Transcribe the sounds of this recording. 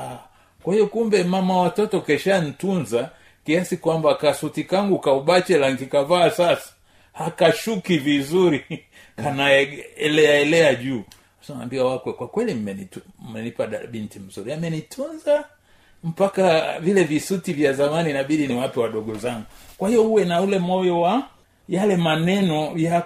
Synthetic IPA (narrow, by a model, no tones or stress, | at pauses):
a | kwahiɔkumbɛmamawatɔtɔkɛʃanitunza | kiasikwambakasutikaŋɡukauɓat͡ʃɛlaŋkikavaːsasḁ | hakaʃukivizuɾi | kanaɛɛlɛaɛlɛaʄuː | asna̰mbiwawakwɛkwakwɛlim̩mɛnimɛnipaɗa̰ɓintim̩zuɾiamɛnitʰunza | m̩pakavilɛvisutivjazamaninaɓiɗiniwapiwaɗɔɡɔzaŋɡukwahijɔuwɛnaulɛmɔjɔwa | jalɛmanɛnɔja